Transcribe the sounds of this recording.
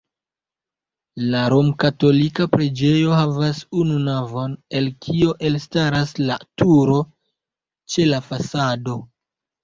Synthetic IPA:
laɾomkato̞likapɾed͡ʒe̞jo̞havasununavo̞ne̞lkʰioʔe̞lstaɾaslatuɾo̞ | t͡ʃe̞lafasado̞

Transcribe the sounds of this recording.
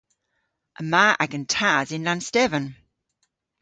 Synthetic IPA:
ʔəmaːʔaɡə̃ntʰazɪ̃nlãnstɛvə̃n

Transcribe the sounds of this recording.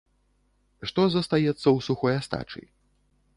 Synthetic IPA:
ʂt̪ɔzɐst̪ajɛt̪sːɐwsuxɔjast̪a̰t͡ʂɨ̰i

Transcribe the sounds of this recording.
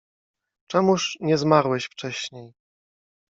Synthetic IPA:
t͡ʂɛmuʂɲɛzmaɾwɛɕft͡ʂɛɕɲej

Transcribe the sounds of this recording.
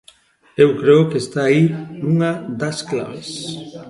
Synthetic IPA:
ewkɾeʊkeːst̪aːinuŋad̪asklaβes

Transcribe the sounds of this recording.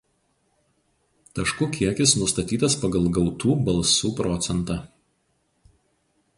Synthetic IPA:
t̪ɐʃkʊkʲiɛkʲɪsnʊst̪ɐt̪ʲiːt̪ɐspɐɡɐlˠˑɡɐʊt̪uːbɐlˠˑsuːpɾɔt̪sʲɛnt̪ɑː

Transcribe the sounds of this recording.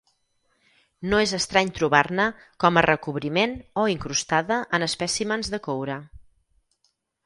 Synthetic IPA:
noezəst̪ɾaɲt̪ɾuβarnə | kɔmərəkuβɾimenoiŋkɾust̪aðəʔənəspɛsimənzðəkowɾə

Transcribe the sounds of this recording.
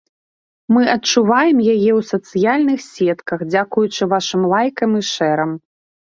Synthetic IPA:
mɨʔɐt͡ʂuvajɛmjajɛwsɐt̪sɨjalʲnɨxsʲɛt̪kɐxd͡zʲakujut͡ʂɨvaʂɨmlˠajkɐmiʂɛɾɐm

